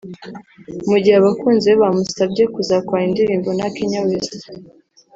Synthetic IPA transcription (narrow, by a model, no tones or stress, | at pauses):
muɟihaβakuːnze̞βamusabɟekuzakwaːindiɾiːmbonakiɲaweza